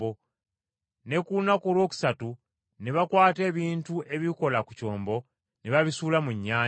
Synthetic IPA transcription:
o | ne̞kunakolwo̞ːku̥satu | neβakwaːte̞ːβiːntuʔe̞βiko̞laku̥co̞ːmbo̞ | neβaβisuːlamuɲːaː

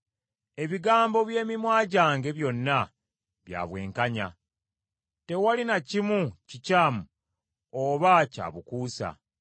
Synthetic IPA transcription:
e̞βiɡaːmbo̞βje̞ːmimwaːɟaːŋɡe̞βjo̞nːa | βja̰ːβwe̞̰ːŋkaɲa̰ | te̞walinacimucicaːmu | oβaca̰ːβukuːsa̰

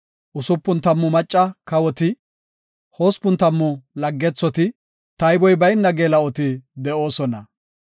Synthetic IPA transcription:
ʔʊsʊpːʊnt̪ɐmːʊmɐt͡ʃʼːɐkɐwɔt̪ɪ | ho̞ːspːʊnt̪ɐmːʊlɐɡːɛt͡sːɔt̪ɪ | t̪ɐjbɔjbɐjnːɐɡeːlɐɔt̪ɪd̪ɛʔo̞ːsɔnɐ

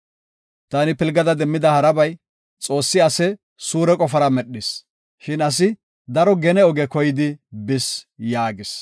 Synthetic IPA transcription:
t̪anɪpɪlɡɐd̪ɐd̪ɛmːɪd̪ɐhɐɾɐbɐj | t͡sʼo̞ːsːɪɐsɛ | suːɾɛkʼɔfɐɾɐmɛɗːɪs | ʃɪnɐs̬ɪ | d̪ɐɾɔɡɛnɛɔɡɛkɔjɪd̪ɪbɪsjaːɡɪs

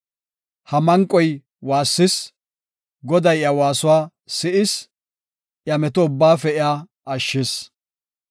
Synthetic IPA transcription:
hɐmɐŋkʼːɔj | waːsːɪs | ɡɔd̪ɐjjɐwaːsʊwaː | sɪʔɪs | ʔjɐmɛt̪ɔʊbːaːfɛɪaː | ɐʃːɪs

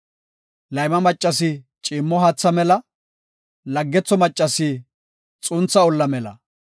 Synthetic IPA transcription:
lɐjmɐmɐt͡ʃʼːɐs̬ɪ | t͡ʃʼiːmːɔɦɐt͡sːɐmɛlɐ | lɐɡːɛt͡sːɔmɐt͡ʃʼːɐsɪ | t͡sʼʊnt͡sːɐɔlːɐmɛlɐ̰

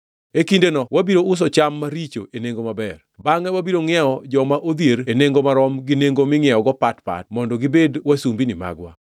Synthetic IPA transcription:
ekindenɔwabiɾoʊs̬ɔt͡ʃamːaɾit͡ʃo̰eneŋɡomabɛrbaŋɛwabiɾoŋɪɛɔd͡ʒɔmaʔod̪jeɾeneŋɡomaɾɔmɡineŋɡomɪŋɪɛɔɡɔpatpa̰t̚mɔndɔɡibedwasumbinɪma̰ɡwa̰

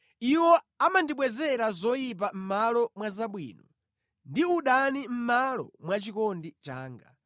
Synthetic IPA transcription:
iwɔ | amandiɓwɛzɛɾazɔjip̬am̩malɔmwazaɓwḭːnɔ | ndiuɗanim̩malɔ̰mwat͡ʃikɔndit͡ʃa̰ːŋɡa̰

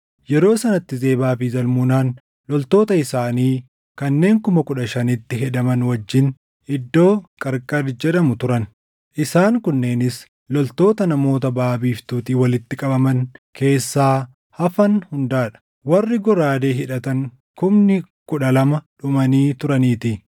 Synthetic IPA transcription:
jɛɾo̞ːsɐnɐt̪ːɪze̞ːbaːfɪzɐlmʊnaːn | lɔlt̪o̞ːt̪ɐɪsaːniː | kɐnːe̞ːŋkʊmɐkʊᶑɐʃɐnɪt̪ːɪɦɛᶑ̪ɐmɐnwɐd͡ʒːɪn | ɪd̪ːo̞ːkʼɐɾkʼɐɾd͡ʒɛᶑɐmʊt̪ʊɾɐn | ʔɪsaːŋkʊnːeːnɪs | lɔlt̪o̞ːt̪ɐnɐmo̞ːt̪ɐbaːbiːft̪uːt̪iːwɐlɪt̪ːɪkʼɐbɐmɐnkʰe̞ːsːaː | hɐfɐnhʊnd̪aːᶑɐ̥ | wɐrːɪɡɔɾaːd̪e̞ːɦɪᶑɐt̪ɐŋ | kʊmnɪ | kʊᶑɐlɐmɐᶑʊmɐniːt̪ʊɾɐniːt̪ɪ

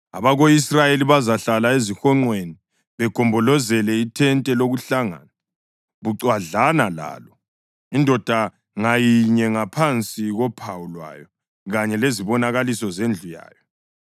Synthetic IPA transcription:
aβaɣoisrajeliβazaɬalaezixɔŋ͡ǀweni | βɛɡ̥ʱɔmbʱɔlɔzɛlɛitʰɛntʼɛloɣuɬaŋa̰na | ɣuǀwaɮanala̰ːlɔ | indʱɔd̥ʱa | ŋajiɲɛŋapʰant͡sʼiɣɔpʰawulwa̰jɔ | ɣaɲɛleziβɔnaɣalisɔzend͡ɮʱuja̰ːjɔ

